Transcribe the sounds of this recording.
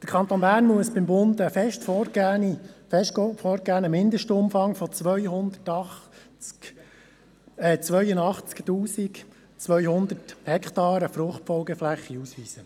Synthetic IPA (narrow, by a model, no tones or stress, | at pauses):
d̥əkʰɑnt̪oːnbæːɾnmuəsbɪmbʊnd̪əfɛʃtfɔɡniɛʃfɔɾɡæːnəmɪnd̪əʃtəʊmfɑŋfɔt͡sʋœʏhʊnd̪ətɑ | ɛt͡sʋœʏənɑχt͡sktuːsik | t͡sʋœʏhʊnd̪əthɛkχt̪ɑːɾəfrʊχtfɔlɡɛflæχːiusʋiːsə